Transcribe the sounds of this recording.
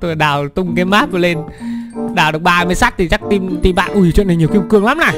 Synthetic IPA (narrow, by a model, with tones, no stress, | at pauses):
t̪o˧˨˩ɗaː˨˩wt̪ʊ˧ŋ͡mkaː˨˦jmaː˦˥p̚və˨˩le˧n | ɗaː˨˩wɗɨ˨˩ək̚ɓaː˨˩mə˨˦jsa˦˥t̚t̪ʰi˨˩t͡ɕa˦˥k̚t̪i˧mt̪i˧mɓa̰ː˧˨nʔu˧˩˨wḭ˧˨naː˨˩ɲi˨˩ə˩wki˧ŋ͡mkɨ˧əŋla˨˦mna˨˩